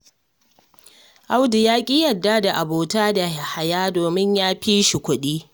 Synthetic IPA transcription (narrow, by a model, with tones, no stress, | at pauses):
ʔa˦wdɪ˨jaː˦kʲʼiː˦jɐ˨dːaː˦da˨ʔa˨boː˨taː˦da˨ha˨jaː˦doː˨mɪ˦ɲjaː˦ɸiː˦ʃi˨kʷʊ˦ɗiː˦